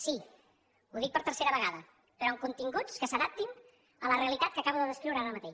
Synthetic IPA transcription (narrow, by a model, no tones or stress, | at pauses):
si | uðik̚pəɾt̪əɾseɾəβəɣaðə | pəɾɔəŋkunt̪iŋɡut͡skəsəðap̚t̪in | ələreəlit̪at̪̚kəkaβuðəðəskɾiwɾəaɾəmət̪eʃ